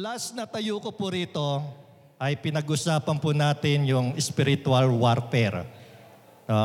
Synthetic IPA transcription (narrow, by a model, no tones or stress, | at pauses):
lɐsnɐt̪ɐjuːkopʊɾiːt̪o̞ | ʔɐjpɪnɐɡʔʊsaːpɐnpʊnaːt̪ɪnjʊŋɛspɪɾɪt̪ʊɐlwaɾt̪ɛɾ | no